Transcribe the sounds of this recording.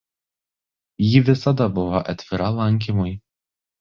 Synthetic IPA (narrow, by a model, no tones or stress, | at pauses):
jiʋʲɪsɐd̪ɐbʊʋɔʔɐt̪ʲʋʲɪɾɐlˠɐŋʲˑk̬ʲɪmʊj